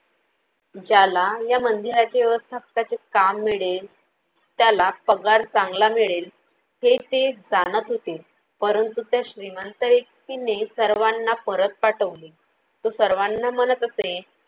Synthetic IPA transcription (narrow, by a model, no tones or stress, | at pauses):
d͡ʑalajamənd̪iɾat͡ɕaʋjɛʋəst̪ʰapkat͡sekamːiɭel | t̪jalapəɡaɾt͡sãŋɡlamiɭel | het̪ed͡zanət̪ɦot̪e | pəɾənt̪ut̪jaɕɾimənt̪əɾektinesəɾʋanːapəɾət̪̚paʈəʋle | t̪osəɾʋanːam̤ənət̪əse